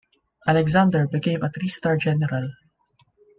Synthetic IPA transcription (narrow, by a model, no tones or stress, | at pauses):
ʔalɛɡzãnd̪ɛɹbɛkẽjmɐt̪ɾiːst̪ɑɹd͡ʒɛnɛɾal